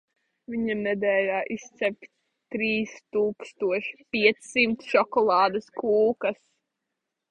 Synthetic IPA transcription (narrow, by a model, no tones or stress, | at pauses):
viɲamnɛd̪ɛːlʲaːʔist̪sɛpʲ | t̪ɾiːst̪uːkst̪uɔʃpʲiɛt̪ssimt̪ʃɔkɔlˠɑːd̪ɐskuːkas